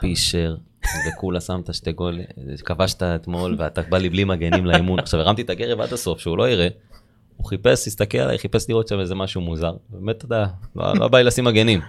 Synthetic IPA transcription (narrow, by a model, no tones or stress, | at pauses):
piʃeʁ | vekulasamt̪aʃt̪eɡo̞lḭkavaʃt̪aet̪mo̞lveat̪abaliblimaɡe̞nimlaimunaχʃaveʁamt̪it̪aɡe̞ʁeva̰d̪aso̞fʃeulo̞iʁe̞ | uχipe̞sist̪akela̰la̰jχipesliʁo̞t̪ʃamezemaʃumuzaʁbbemet̪̚tːod̪alo̰o̰a̰bajlasimaɡe̞nim